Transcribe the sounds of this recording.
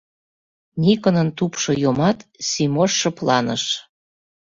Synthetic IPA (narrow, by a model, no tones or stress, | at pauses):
nʲikənə̆nt̪upʃojomɑt̪sʲimoʃːɤ̆plɑnə̰ʃ